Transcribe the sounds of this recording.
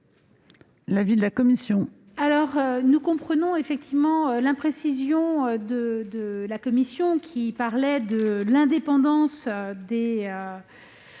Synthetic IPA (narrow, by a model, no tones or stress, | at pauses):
lavid̪əlakɔmisjɔ̃ | alɔʁønukɔ̃pχənɔ̃efɛk̚t̪ivmɑ̃ølɛ̃pχesizjɔ̃ød̪əd̪əlakɔmisjɔ̃kʲʰipaʁlɛd̪əlɛ̃d̪epɑ̃d̪ɑ̃sd̪eø